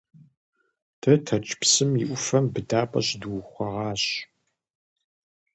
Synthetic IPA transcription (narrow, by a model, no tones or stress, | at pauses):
d̥ʰɐtʰɐt͡ʃʼpsɨmiʔʷʊfɐmbɨdaːpʼɐ̰ɕduwχʷɐʁɑːɕ